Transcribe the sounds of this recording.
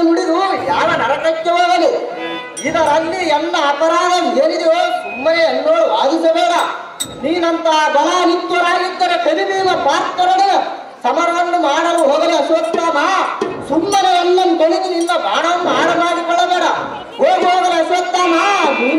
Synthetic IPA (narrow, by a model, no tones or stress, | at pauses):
muɽid̪ujaːʋɐnɐɾɐt̪ɐkːɐɦoːɡɐli | id̪ɐɾɐnːiɛnːɐːpɐɾaːd̪ɐmjeːnid̪ɛjoːsumːɐneɐlːoːʋaːd̪isɐbɛːla | niːnɐnt̪aːd̪ɐlanint̪ːuɾaːnit̪ːɐnɐpeɾiʋiːnɐbaːt̪k̪ɐɾɐɽe | sɐmɐɾʋɐnːumaːɽɐluɦoːɡ̪ɐneɐsʋɐt̪ːaːnaːsumːɐneɐlːɐnk̪oɭinininːɐbaːɽɐnumaːɽɐbaːɡikɔɭɐbɛːɽɐ | ɦoːɡuɦoːd̪ɐleɐsʋɐt̪ːaːnaːd̪ʱiː